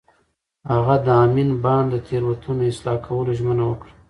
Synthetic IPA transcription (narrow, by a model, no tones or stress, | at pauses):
haɣad̪əɑminbɑnd̪ət̪ʰeɾwat̪ʰunoɪslɑkʰawəloʒmənawəkɽa